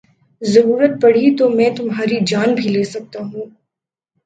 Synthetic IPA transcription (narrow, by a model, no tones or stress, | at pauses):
zɐɾuːɾət̪̚pɐɽ̤it̪omɛ̃ːt̪ʊmɦaːɾid͡ʒaːnbʱileːsɐk̚t̪aɦũː